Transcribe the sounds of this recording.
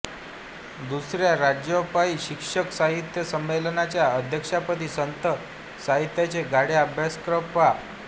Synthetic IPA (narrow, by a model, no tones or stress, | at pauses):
d̪usɾjaɾad͡ʑjəpaiɕikʂəksaɦit̪jəsəmːelnat͡ɕjaəd̪ʱjəkʂapət̪iːsənt̪ə | saɦit̪jat͡ɕeɡaɽeabʱjaskɾəpʋa